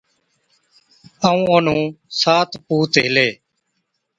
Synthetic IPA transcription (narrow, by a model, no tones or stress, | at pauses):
əːũːənũːsaːt̪ʰpuːt̪ɦɪleː